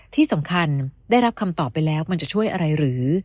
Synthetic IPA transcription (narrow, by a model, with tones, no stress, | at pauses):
t̪ʰiː˥˩sa˩˦mkʰa˧ndaː˥˩jɾa˦˥p̚kʰa˧mt̪ɔː˨˩pːa˧jlɛː˦˥wma˧nt͡ɕa˨˩t͡ɕʰu˥˩əjʔa˧ɾa˧jɾɯː˩˦